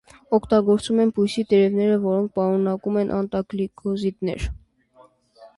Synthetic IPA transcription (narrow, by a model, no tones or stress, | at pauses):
ɔkʰt̪ɑɡɔɾt͡sumɛnpʰujsit̪ɛɾɛvnɛɾəvɔɾɔŋk̚ʰpɑɾɔnɑkumɛnʔɑ̰nt̪ɑklikɔzit̪nɛ̰ɾ